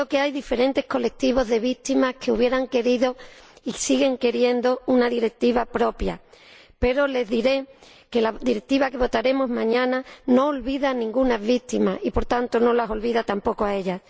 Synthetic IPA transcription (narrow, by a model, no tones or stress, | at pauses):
oke̞ajðife̞ɾẽ̞nt̪e̞hko̞le̞k̚t̪iβo̞zðe̞β̞ikt̪imahkʰe̞uβ̞je̞ɾaŋke̞ɾiðo̞isiɣe̞ŋke̞ɾje̞nd̪ounaðiɾe̞k̚t̪iβapɾo̞pja̰ | pe̞ɾo̞le̞zðiɾe̞ | ke̞laðiɾe̞k̚t̪iβake̞β̞o̞t̪aɾe̞mo̞zmãɲãnano̞ːlβiðanĩŋɡunazβik̚t̪imasipo̞ɾt̪ant̪o̞no̞laso̞lβiðat̪ampo̞koae̞ʎas